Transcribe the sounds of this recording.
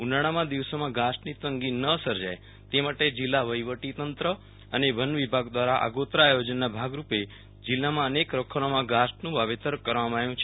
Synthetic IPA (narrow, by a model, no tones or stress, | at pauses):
unaɽ̃amãd̪iʋsomãɡasʈnit̪əŋɡinːəsəɾd͡ʒaj | t̪emaʈed͡ʒilːaʋəjʋəʈit̪ənt̪ɾə | əneʋənʋibʱaɡd̪ʋaɾaʔa̰ɡot̪ɾaːjod͡ʒənːabʱaɡɾupe | d͡ʒilːamãənekɾəkʰəɭomãɡasʈnũʋaʋet̪əɾkəɾʋamãaʋjũt͡ʃʰe